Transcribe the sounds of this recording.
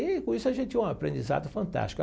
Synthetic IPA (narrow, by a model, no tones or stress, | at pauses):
ɪkõisʊɐʒẽt̪ɪt͡ʃĩũapɾẽnd͡ʒ̪iza̰d̪ʊfɐ̃nt̪a̰st͡ʃi̥k